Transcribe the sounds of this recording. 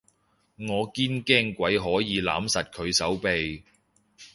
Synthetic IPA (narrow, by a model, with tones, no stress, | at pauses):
ŋɔː˨˧kiː˥nkɛː˥ŋkʷɐ˨˥jɦɔː˨˥jiː˨˧la̰ː˨˥msɐ˨t̚kʰɵ˨˧ɥsɐ˨˥wpe˧j